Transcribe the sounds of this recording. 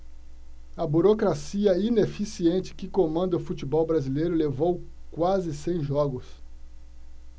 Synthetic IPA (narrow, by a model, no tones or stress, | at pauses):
ɐbuɾokɾasiɐinefisiẽnt͡ʃɪ̥kɪkomɐ̃nd̪ɐʊfut͡ʃibɔwbɾazilejɾʊlevowkwazɪsẽj̃ʒɔɡʊs